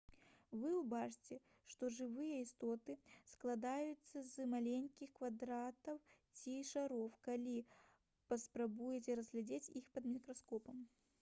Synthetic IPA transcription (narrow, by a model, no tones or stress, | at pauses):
vɨubat͡ʂɨt͡sʲɛ | ʂt̪ɔʐɨvɨjɛist̪ɔt̪ɨsklˠad̪ajut̪sːɐzmalʲenʲkʲixkvad̪ɾat̪ɐwt͡sʲiʂaɾɔfkalʲi | pɐspɾabujɛt͡sʲɛɾɐzɣlʲɛd͡zʲet͡sʲixpɐd̪mʲikɾɐskɔpɐm